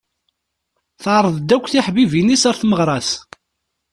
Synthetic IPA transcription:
θʕɾˤəðˤd̪ːækʷːθiħbivinisæɾθməʁɾˤɑs

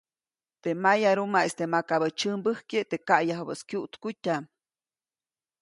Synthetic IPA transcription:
t̪emajaɾumaest̪emakaβət͡ʃəmbəhket̪eʔkaʔjaɦbə̰skjuʔt̪kutʲam

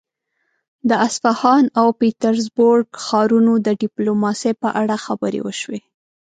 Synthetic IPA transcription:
d̪əasfahɑnawpit̪aɾzboɾɡxɑɾunod̪əɖɪplomɑsepəʔaɽaxabəɾḛwə̰ʃwe

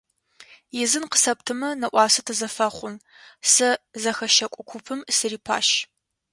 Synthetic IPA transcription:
jɪzɨnqə̥sɐptʰɨmɐnɐʔʷɑːsɐtʰɨzɐfɐχʷʊn | sɐzɐxɐʃɐkʷʼʊkʷʰupʰɨmsɨriːpʰa̰ːʃ

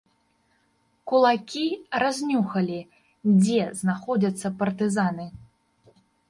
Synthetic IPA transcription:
kulˠakʲirazʲnʲuxɐlʲi | d͡zʲɛznaxɔd͡zʲɐt̪sːɐpɐrt̪ɨzanɨ

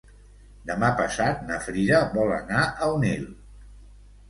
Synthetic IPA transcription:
d̪əmapəsat̪̚nəfɾiɾəβɔlə̰naʔəwnil

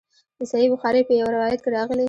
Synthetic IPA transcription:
d̪̥əsajibʊxɑɾepəjawɾawɑjat̪̚keɾɑɣəle

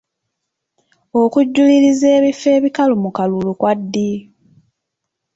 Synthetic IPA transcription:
okuɟːuliɾize̞ːβife̞ːβikalumukalulukwadːi

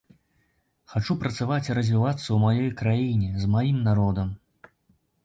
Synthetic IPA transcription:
xat͡ʂupɾɐt̪savat͡sʲiɾɐzʲvʲivat̪sːɐwmajɔjkɾajinʲɛzmajimnaɾɔd̪ɐm

